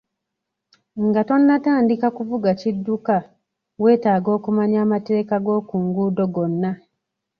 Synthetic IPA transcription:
ŋɡato̞nːataːndikakuvuɡacidːuka | we̞ːtaːɡo̞ːkumaɲaːmate̞ːkaɡo̞ːkuːŋɡuːdo̞ɡo̞nːa

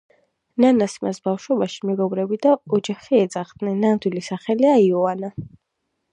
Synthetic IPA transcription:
nanasimasbafʃwɛbaʃi̥mɛɡɔvɾɛbid̪aɔd͡ʒaχiɛd̪zaχd̪nɛnːand̪wilisaχɛliaiɔana

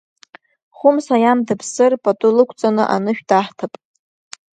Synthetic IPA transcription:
χʊmsajamdɨpʰsɨrpʼatʼʊlɨkʷʰt͡sʼanɨʔa̰nɨʃᶣdaħtʰapʼ

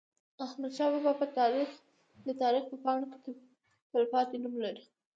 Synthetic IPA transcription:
ahmad̪ʃɑbabɑbət̪ɑɾix | d̪ət̪ɑɾixpəpɑɳoke̥t̪ | pəlpɑt̪enumlaɾi

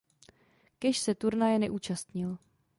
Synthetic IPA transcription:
kɛʃsɛt̪uɾnajɛnɛʔuːt͡ʃast̪ɲɪl

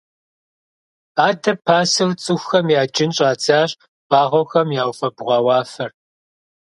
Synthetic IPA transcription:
aːdɐpʰaːsɨwt͡sʼɨxːɐmjaːd͡ʒʼɪnɕʼaːt͡saːɕʼ | b̥ʼaːʁʷɔxɐmjaːwfɐbʁʷɑːwɑːfɐr

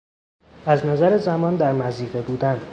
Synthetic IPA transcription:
æznæzæɾezæmɒːnd̪æɾmæziːɣebuːd̪æn

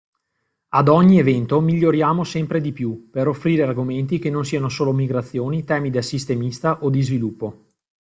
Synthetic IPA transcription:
ad̪ɔɲːievɛnt̪omiʎːoɾjaːmosɛmpɾed̪ipjupeɾofːɾiːɾearɡoment̪̬ik̟enons̬iːanosoːlomiɡɾat̪sːjoːnit̪ɛːmid̪asːist̪emist̪aʔod̪izvilupːo

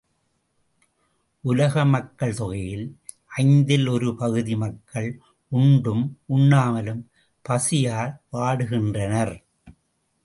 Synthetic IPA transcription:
ʔʊlɐɣɐmɐkːɐɭt̪ɔɣɐjɪl | ʔɐɪnd̪ɪlɔɾɯpɐɣɯðimɐkʰːɐɭ | ʊɳɖɯmʊɳːaːmɐlɯm | pɐsɪjaːlʋaːɽɯɣɪndrɐnɐɾ

